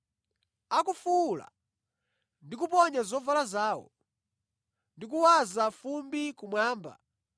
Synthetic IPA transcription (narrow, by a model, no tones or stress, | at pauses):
akufuːla̰ | ndikupɔɲazɔvalazaːwɔ̰ | ndik̬uwazafumbikumwaːmba̰